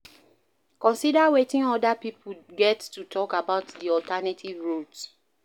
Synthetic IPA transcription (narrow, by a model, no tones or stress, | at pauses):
kɔ̃nsidawetĩŋɔdapipʰuɡɛttːutʰɔkabaʊtdiɔltʰanatʰivɹuds